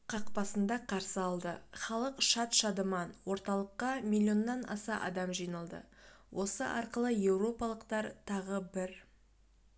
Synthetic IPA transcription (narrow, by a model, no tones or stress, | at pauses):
qʰɑqpɑsənd̪ɑqʰɑɾsəɑlˠd̪əχɑlˠəqʃɑt̪ʃɑd̪əmɑnwo̞ɾt̪ɑlˠəqːɑmʲilʲːio̞nːɑnɑ̰sɑʔɑ̰d̪ɑmʒijnəlˠd̪ə̰ | wʔo̞sə̰ʔɑɾqəlˠəje̞wro̞pɑlˠəqt̪ɑɾt̪ʰɑʁəbɪɾ